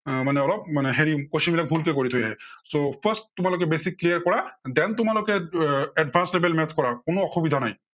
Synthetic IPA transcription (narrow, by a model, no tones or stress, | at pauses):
maneɔlɔb̚maneɦeɾikosimilak̚bʱulkekɔɾit̪ʰujaɦesopʰəsʈt̪umalok̬ebesikːlijaɾkɔɽad̪ent̪umalokeɛɖbʱanslebelmɛt̪ʰkɔɾakonoːxʰubid̪ʱanaj̃